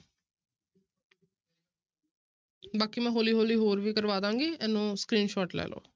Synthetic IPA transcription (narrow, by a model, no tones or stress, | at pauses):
baːkiːmɛ̃ːɦoːliːɦoːliːɦoːɾʋiːkəɾʋaːd̪ãːŋɡiːɛːnũːsə̥kɾiːnʃɔːʈlɛ̰ːlʔo̰ː